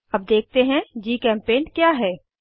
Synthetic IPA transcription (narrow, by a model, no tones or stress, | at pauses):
ɐb̚d̪eːk̚ʰt̪eɦɛ̃d͡ʒiːkɛ̃ːmpeːnkjaːɦɛː